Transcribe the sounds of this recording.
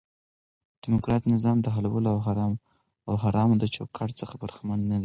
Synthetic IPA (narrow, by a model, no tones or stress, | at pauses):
d̪̥ɪmʊkɾɑt̪nɪzɑmd̪əɦalawəloawɦaɾɑm | awɦaɾɑmd̪ət͡ʃo̰kʰɑʈt͡səxabəɾxmanːad̪i